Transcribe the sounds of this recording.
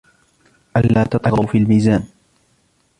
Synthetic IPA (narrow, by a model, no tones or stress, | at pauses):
ʔalːaːt̪ɑt̪ˤɑɣʊfiːlmiːzaːn